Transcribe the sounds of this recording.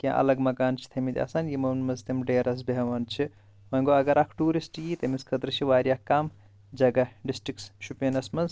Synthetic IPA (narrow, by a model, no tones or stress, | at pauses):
kʲiã̰ʔɐ̰lɐɡmɐkaːnt͡ʃʰi̥t̪ʰɐmit̪ʲɐ̰saːnjimɐnmɐzt̪ɐmɖeːɾɐs̬bɐɐʋɐnt͡ʃʰi | ʋɐ̃ŋɡoɐɡɐɾʔɐkʰʈuːɾisʈjit̪ɐmiskʰɐt̪ɾɨt͡ʃʰiʋaːɾjaːkːaːm | d͡ʒɐɡɐɖisʈɾiksʃupjɐnɐsmɐnz